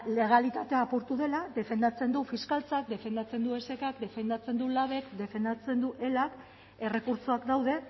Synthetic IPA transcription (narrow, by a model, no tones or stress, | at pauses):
le̞ɣ̞alit̪at̪e̞apuɾt̪uðe̞lad̪e̞fe̞nd̪at͡se̞nd̪ufiskalt͡sakd̪e̞fe̞nd̪at͡se̞nd̪ue̞se̞kakd̪e̞fe̞nd̪at͡se̞nd̪ulaβ̞e̞kd̪e̞fe̞nd̪at͡se̞nd̪uʔe̞lak | e̞re̞kuɾt͡soakd̪awðe̞